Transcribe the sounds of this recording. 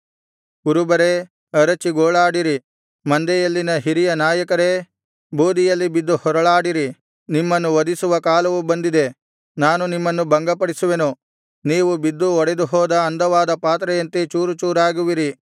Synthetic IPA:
kuɾubɐɾe̞ | ɐɾɐt͡ʃiɡoːɭaːɽiɾi | mɐnd̪ɛjɐlːinɐɦiɾijɐnaːjɐkɐɾe̞ | buːd̪ijɐlːibid̪ːuhɔɾɐɭaːɽiɾi | nimːɐnːuʋɐd̪isuʋɐkaːlɐʋubɐnd̪id̪e̞ | naːnunimːɐnːubɐŋɡɐpɐɽisuʋenu | niːʋubid̪ːuɔɽed̪uɦɔːd̪ɐːnd̪ɐʋaːd̪ɐpaːt̪ɾɐjɐnt̪et͡ʃuːɾut͡ʃuːɾaːɡuʋiɾi

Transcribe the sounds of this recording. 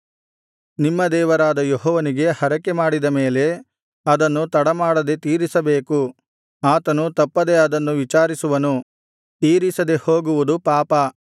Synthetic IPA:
nimːɐd̪ɛːʋɐɾaːd̪ɐjoɦɔːʋɐniɡe̞hɐɾɐkːemaːɽid̪ɐmeːle̞ | ɐd̪ɐnːut̪ɐɽɐmaːɽɐd̪e̞t̪iːɾisɐbeːku | aːt̪ɐnut̪ɐpːɐd̪e̞ɐd̪ɐnːuʋit͡ʃaːɾisuʋɐnu | t̪iːɾisɐd̪e̞hoːɡuʋud̪upaːpɐ

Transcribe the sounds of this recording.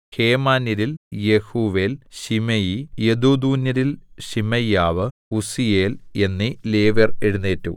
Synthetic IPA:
heːmaːnɐɾiljehuːʋe̞ːlɕimɐjijed̪uːd̪uːnjɐɾilɕimɐjaːʋɨ | usijeːle̞nːileːʋɐreɽunːeːtːṵ

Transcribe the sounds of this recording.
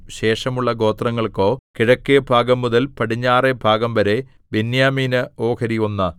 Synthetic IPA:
ɕe̞ːʂɐmuɭːɐɡo̞ːt̪rɐŋːɐɭko̞ːkiɻɐkːijɐbʱaːɡɐmːuðɐlpɐʈʰiɲːaːrebʱaːɡɐmʋɐɾe̞ | binjaːmiːnɨo̞ːkʰɐɾionːɐ

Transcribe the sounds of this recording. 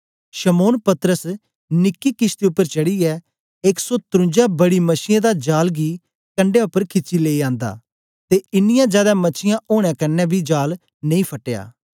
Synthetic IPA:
ʃəmoːnpɐt̪əɾəs | nɪkːikɪst̪iʊpːəɾt͡ʃɐɽiɛː | eksɔːt̪ɾʊ̃nd͡ʒabɐɽiməsɪjãd̪ad͡ʒaːlɡi | kə̃ɳɖejʊpːəɾkʰɪt͡ʃileːiãːnd̪a̰ː | t̪eɪnɪjãd͡ʒjaːd̪amɐt͡ʃʰɪjãʔoːɽ̃jãːkɐnːɛbʱid͡ʒaːl | nɐ̃ĩːpʰɐʈːeja̰ː

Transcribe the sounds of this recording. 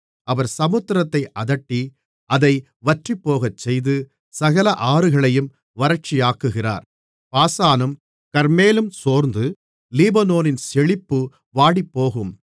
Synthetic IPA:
ɐʋɐɾsɐmɯt̪ːɾɐt̪ːɐɪʔɐðɐʈːi | ɐðɐɪ | ʋɐʈripːoːɣɐt͡ʃːɛjðɯ | sɐɣɐlɐʔaːɾɯɣɐɭɐjɯm | ʋɐɾɐt͡ʃːijaːkːɯɣɪra̰ːɾ | paːsaːnɯm | kɐɾmeːlɯmsoːɾnd̪ɯ | liːbɐnoːnɪnsɛɭɪpːɯ | ʋaːɽipːoːɣɯm

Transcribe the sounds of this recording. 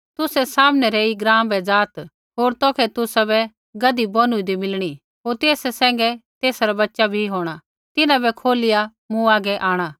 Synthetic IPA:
t̪ʊsɛsaːmnɛɾɛiɡɾãːmbɛd͡zaːt̪ | ɦoːɾt̪ɔːkʰɛt̪ʊsabɛ | ɡɐd̪ibɔnʊid̪imɪlɽ̃i | ɦoːɾt̪eːsɛsɛ̃ːŋɡɛt̪eːsɾabɐtːʃabʱiɦoːɽ̃a | t̪ɪnãbɛkʰoːlɪja | mũaːɡɛʔaːɽ̃a

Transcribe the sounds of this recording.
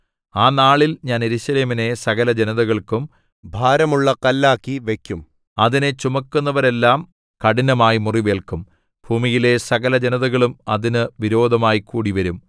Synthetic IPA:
aːnaːɭilɲaːneɾuɕɐleːmine̞sɐɣɐlɐd͡ʑenɐðɐɣɐɭkum | bʱaːɾɐmuɭːɐkɐlːaːkːiʋe̞kʲːum | ɐðine̞t͡ɕumɐkːunːɐʋɐɾe̞lːaːm | kɐɽinɐmaːjimuriʋe̞ːɭkum | b̥ʱuːmijile̞sɐɣɐlɐd͡ʑenɐðɐɣɐɭumɐðinɨʋiɾo̞ːd̪ʱɐmaːjikːuːɽiʋɐɾum

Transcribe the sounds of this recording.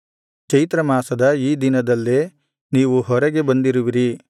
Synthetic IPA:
t͡ʃɐjit̪ɾɐmaːsɐd̪ɐiːd̪inɐd̪ɐlːe | niːʋuɦɔɾɐɡe̞bɐnd̪iɾuʋiɾi

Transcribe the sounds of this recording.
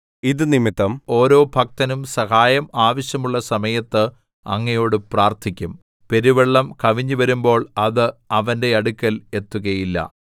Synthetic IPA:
iðɨnimit̪ːɐmo̞ːɾo̞ːbʱɐk̚t̪ɐnumsɐhaːjɐmaːʋɐɕjɐmuɭːɐsɐmɐjɐt̪ːɨ | ɐ̰ŋːɐjo̞ːɽɨpraːrt̪ʰikʲːum | pe̞ɾiʋeɭːɐmkɐʋiɲːuʋɐɾumbo̞ːɭɐðɨɐʋɐnde̞ɐɽukʲːɐle̞t̪ːuɣɐjilːɐ̰

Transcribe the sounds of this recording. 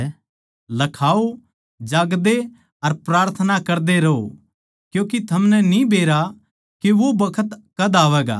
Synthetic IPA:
lɐkʰaːo | d͡ʒaːɡd̪e | ɐɾpɾaːɾt̪ʰənakɐɾd̪eɾɐo̰ | kjõːk̬it̪ʰɐmnɛnĩbeːɾa | keʋobɐkʰət̪kɐd̪aːʋɛːɡa̰ː

